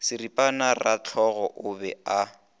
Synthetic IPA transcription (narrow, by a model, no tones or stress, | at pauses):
sɪripʼanarat͡ɬʰɔɣɔʔʊbɛ̰a